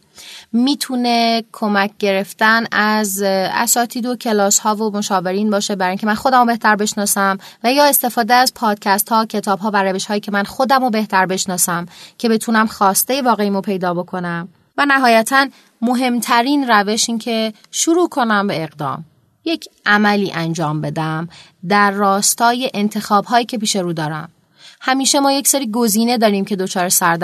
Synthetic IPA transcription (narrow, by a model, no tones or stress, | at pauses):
miːt̪ʰunekʰo̞mæc̚ʰɟe̞ɾe̞ft̪ænæzæ̰sɒːt̪ʰiːd̪o̞cʰe̞lɒːshɒːvomo̞ʃɒːve̞ɾiːnbɒːʃebæɾɒːjiŋcʰe̞mænxod̪æmobe̞ht̪ʰæɾbe̞ʃnɒːsæmvæjɒːe̞st̪e̞fɒːd̪eæzpʰɒːd̪̥̚cʰæst̪hɒːcʰe̞t̪ʰɒːbɦɒːvæɾæve̞ʃhɒːjiːcʰe̞mænxo̞d̪æmobe̞ht̪ʰæɾbe̞ʃnɒːsæmcʰe̞be̞t̪ʰunæmxɒːst̪e̞jevɒːɣe̞iːmopʰe̞jd̪ɒːbo̞kʰo̞næm | vænæɦɒːjæt̪ʰæn | mo̞ɦe̞mt̪ʰæɾiːnræve̞ʃiːncʰe̞ | ʃuɾuːkʰo̞næmbe̞eɣd̪ɒ̰ːm | je̞cʰʔæmæliːʔænd͡ʒɒːmbe̞d̪æm | d̪æɾːɒːst̪ɒːje̞ʔent̪ʰe̞xɒːbɦɒːjiːcʰe̞piːʃe̞ɾuːd̪ɒːɾæ̰m | hæmiːʃe̞mɒːje̞cseɾiːɡo̞ziːne̞d̪ɒːɾiːmcʰe̞d̪o̞t͡ʃʰɒːɾesæɾd̪